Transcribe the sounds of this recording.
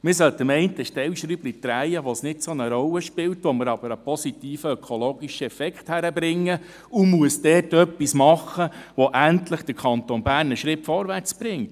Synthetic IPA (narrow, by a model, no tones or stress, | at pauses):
mɪsœlt̪əmɛɪntəʃtɛwʃɾyblitɾæɪəʋosnɪtsonəɾɔlːəʃpɪltʋɔməɾɑb̥əɾəpʰɔsitiːfəœkʰoloːɡiʃəɛfɛkχthæɾəbɾɪŋːə | umuəsd̥ɛːtœpːismɑχəʋɔʔæntləχd̥əɾkʰɑntonbæːrnəʃɾɪpfɔɾʋært͡sb̥ɾɪŋt